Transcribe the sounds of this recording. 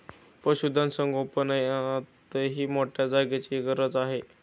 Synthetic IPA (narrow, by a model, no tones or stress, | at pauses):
pəɕud̪ʱãnsəŋɡʱopənajat̪əɦiːmoʈʰjad͡zaɡjat͡ɕiɡəɾət͡saɦe